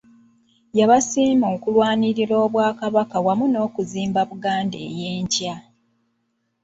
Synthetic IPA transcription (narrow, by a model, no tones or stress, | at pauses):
jaβasiːmo̞ːkulwaːniɾiɾoːβwaːkaβakawamuno̞ːkuziːmbaβuɡaːnde̞̰ːjeːɲca